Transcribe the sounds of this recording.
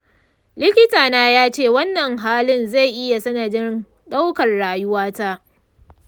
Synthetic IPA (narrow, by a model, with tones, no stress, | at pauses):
lɪ˦kʲɪ˦taː˨naː˦jaː˦t͡ʃeː˦˨wɐ˦nːɐ˨ŋɦaː˦lɪ˦nza˦˨jʔɪ˦ja˨sɐ˦nɐ˨dɪ˦n | ɗa˦wkɐ˨rɽaː˨jʊ˦waː˦taː˦ʔ